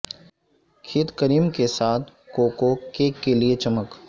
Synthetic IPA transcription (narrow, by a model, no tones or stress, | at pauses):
kʰit̪kəɾiːmkesaːt̪ʰ | koːkokekːeliet͡ʃɐmək